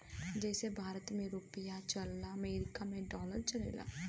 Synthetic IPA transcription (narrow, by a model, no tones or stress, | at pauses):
d͡ʒɛːsebʱaːɾət̪mẽɾoːpɪjat͡ʃəlːaːəmeːɾɪkaːmẽɖɔːləɾt͡ʃəlḛːla̰ː